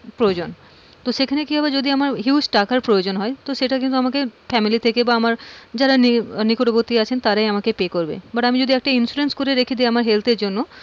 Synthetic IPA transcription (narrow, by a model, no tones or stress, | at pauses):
pɾojod͡ʑon | t̪oʃekʰanekiɦɔbed͡ʑod̪iamaɾɦiwsʈakaɾpɾojod͡ʑonɦɔet̪oʃeʈakint̪uamakefɛmilit̪ʰekebaamaɾd͡ʑaɾaninikoʈobot̪ːiat͡ɕʰent̪aɾaeamakepekoɾbḛbaʈamid͡ʑod̪iɛk̚ʈainsuɾenskoɾeɾekʰid̪iamaɾɦelt̪eɾd͡ʑonːo